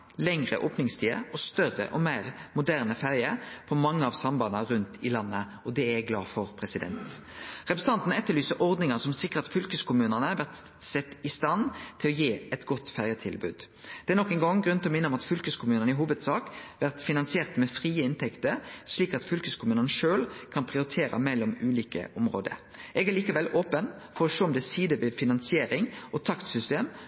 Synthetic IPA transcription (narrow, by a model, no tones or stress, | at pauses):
lɛŋʁə̰ʔoːpnɪŋst̪ʰiːə̰ɔst̪œʁə̰ʔɔmæɪʁmʊd̪æʁnəfæʁjəpʰɔmɑŋːəɑʋsɑmbɑnəʁʉnt̪ʰɪlɑnːə | ɔd̪ɛæɡlɑ̰ːfɔʁpʰʁɛsɪd̪ɛ̰nt̪ʁɛpɾs̩ɑnt̪n̩ɛt̪ːəlyːsəʔɔʁd̪nɪŋɑnsɔmsɪkːəʁɑt̪fʏlkəskʊmʉːnənəʋæʁt̪ | sɛt̪ːɪst̪ɑnt̪ʰɪlɔjeːɛt̪ɡɔt̪ːfæʁjət̪ʰɪlbʉ̰ːd̪ | d̪̥ɛæɾnɔkːɛŋɡɔŋɡɾʉnt̪ɔmɪnəɔmɑt̪fʏlkəskʰʊmʉːnənɪɦuːʋəd̪sɑːkʋæʁt̪fɪnɑnsɪeːʁt̪mɛfʁiːəɪnt̪ʰɛkt̪əɾʂliːkɑt̪fʏlkəskʰʊmʉːnənəʃøːlkʰɑnpʰʁɪʊɾɪt̪ʰeːɾɑ̰mɛlːɔmʉːliːkə̰ʔɔmʁoːd̪ə̰ɾ | ʔɛɡæʁliːkəʋɛlʔoːpən | fɔɾɔʂoːɔmd̪ɛsiːd̪əʋɪfɪnɑnsɪeːɾɪŋʔɔt̪ʰɑkt̪sʏst̪eːm